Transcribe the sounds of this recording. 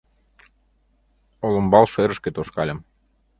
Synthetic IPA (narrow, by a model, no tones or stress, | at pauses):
olŏmbɑlʃeɾə̆ʃket̪oʃkɑlʲəm